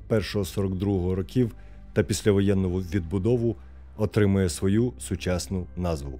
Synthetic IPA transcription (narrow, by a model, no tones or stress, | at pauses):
pɛrʃɔɦɔsɔɾɔɡd̪ɾuɦɔɦɔɾɔkʲiw | t̪ɐpʲisʲlʲɐʋɔjɛnːɔɦʊʋʲid̪̚bʊd̪ɔʋʊ | ɔt̪ɾɪmʊjɛsʋɔjusʊt͡ʃɑsnʊnɑzʋʊ̰